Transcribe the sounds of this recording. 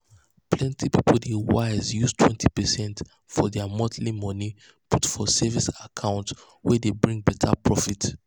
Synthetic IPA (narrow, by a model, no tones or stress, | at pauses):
plɛ̃ntʰipipldewaɪzjuztʰwɛ̃ntʰipɛsɛ̃nt | fɔdɛamɔdlimɔni | putfɔsɛvisakʰãʊ̃nt | wɛdebɹĩŋbɛtʰa̰pʰɹɔfit